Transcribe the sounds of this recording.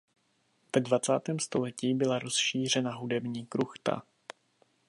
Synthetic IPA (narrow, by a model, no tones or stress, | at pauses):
v̥ɛdvat͡saːt̪ɛːmst̪o̞lɛciːbɪlaɾo̞sʃiːr̝ɛnaɦudɛbɲiːkɾuxt̪a̰